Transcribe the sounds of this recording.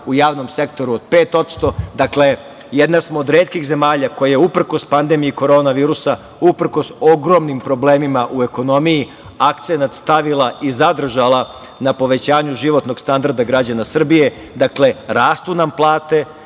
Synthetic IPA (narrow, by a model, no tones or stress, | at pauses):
ujaːʋno̞mse̞k̚t̪o̞ɾuod̪̚pe̞ːt̪o̞t̪st̪o̞d̪akle̞ | jed̪nasmoːd̪ɾeːt̪kixze̞maːʎako̞jajeupr̩ko̞spand̪emijiko̞ɾo̞ːnaʋiːɾusa | upr̩ko̞so̞ɡɾo̞mnimpɾo̞bleːmimaʔue̞ko̞no̞miji | akt̪se̞nat̪st̪aʋilˠaʔizad̪r̩ʒalˠa | napo̞ʋe̞t͡ɕaːɲuʒiʋo̞t̪no̞ɡ̥st̪and̪aɾd̪aɡɾad͡ʑanasr̩bije̞ | d̪akle̞ɾaːst̪unamplˠaːt̪e̞